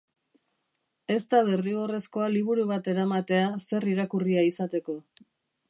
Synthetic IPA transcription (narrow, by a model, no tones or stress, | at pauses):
e̞st̪aðeriɣore̞sko̞aliβ̞uɾuβ̞at̪e̞ɾamat̪e̞ase̞riɾakuriaisat̪e̞ko̞